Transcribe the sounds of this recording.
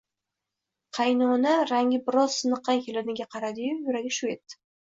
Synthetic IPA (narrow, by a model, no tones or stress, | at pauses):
qʰɑjnɒnaɾaŋʲɪbɪɾɒz̥sɨnɨqːɑnkʲʰelad̪ɪɡʲaqʰɑɾad̪ɪjʊjʊɾaɡʲɪʃʊet̪ːɪ̥